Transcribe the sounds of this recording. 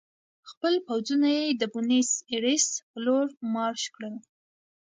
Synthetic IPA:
xpəlpawd͡zunajed̪əbʊniseɽispəloɾmɑɾʃkɽəl

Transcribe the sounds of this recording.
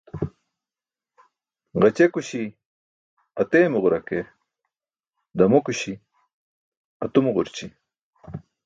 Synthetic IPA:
ʁɐt͡ɕekuɕi | ɐt̪eːmuʁʊɾɐke | d̪ɐmokuɕi | ɐt̪umʁʊɾt͡ɕi

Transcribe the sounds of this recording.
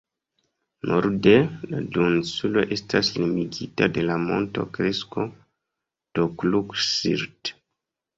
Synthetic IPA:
nʔoɾdeladunsulo̞̰ʔe̞staslimiɡitade̞lamo̞̰nto̞̰kɾesko | d̥okluksḭɾt

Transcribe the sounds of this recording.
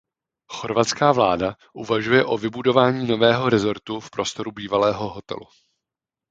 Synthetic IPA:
xo̞ɾvat͡skaːvlaːda | ʔuvaʒujɛʔo̞vɪbudo̞vaːɲiːno̞vɛːɦo̞ɾɛzo̞ɾt̪ufpɾo̞st̪o̞ɾubiːvalɛːɦo̞ɦo̞t̪ɛ̰lṵ

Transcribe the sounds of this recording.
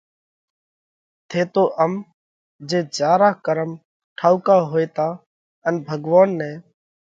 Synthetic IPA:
t̪ʰeːt̪oːʔəm | d͡ʒeːd͡ʒaːɾaːkəɾəm | ʈʰaːukaːɦoːeːt̪aː | ənbʱəɡʋaːnːẽː

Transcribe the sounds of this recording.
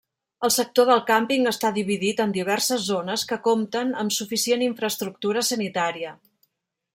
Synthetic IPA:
əlˠsək̚t̪oðəlˠkampiŋəst̪aðiβiðit̪ənd̪iβ̞ɛrsəzːonəskəkomt̪ənəmsufisieniɱfɾəst̪ɾuk̚t̪uɾəsənit̪aɾiə

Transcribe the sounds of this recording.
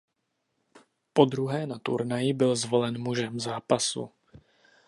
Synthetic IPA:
po̞d̪ɾuɦɛːnat̪ṵɾnajɪbɪlzvo̞lɛnmuʒɛmzaːpasṵ

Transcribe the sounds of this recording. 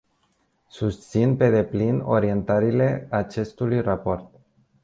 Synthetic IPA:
sust̪sinpe̞d̪e̞plino̰ɾie̞nt̪aɾile̞at͡ʃe̞st̪ulujrapo̞rt̪̚

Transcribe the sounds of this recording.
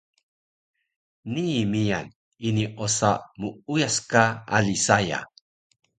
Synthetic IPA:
nimijan | iniʔosamuujaskaa̰lisaja̰

